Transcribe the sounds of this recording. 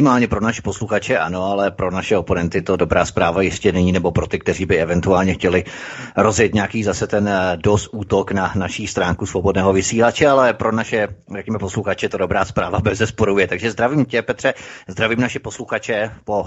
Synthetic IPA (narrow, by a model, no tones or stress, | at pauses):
ɪmaːlɲɛpɾo̞naʃɛ̥po̞sluxat͡ʃɛʔano̞alɛpɾo̞naʃɛopo̞nɛnt̪ɪt̪o̞do̞bɾaːspɾaːvajɪscɛnɛɲiːnɛbo̞pɾo̞t̪ɪkt̪ɛr̝iːbɪɛvɛnt̪uaːlɲɛxcɛlɪɾo̞zjɛt̪ɲakiːzasɛt̪ɛndost̪ʔuːt̪o̞knanaʃiːst̪ɾaːŋkusvobo̞dnɛːɦo̞vɪsiːlat͡ʃɛalɛpɾo̞naʃɛrɛkɲɛmɛposluxat͡ʃɛt̪odo̞bɾaːspɾaːvabɛzɛspoɾujɛt̪aɡʒɛzd̪ɾaviːmcɛpɛt̪r̥ɛzd̪ɾaviːmnaʃɛposluxat͡ʃɛpo